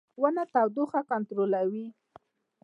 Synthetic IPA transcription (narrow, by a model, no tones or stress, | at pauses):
wanat̪awd̪uxakant̪ɾolawi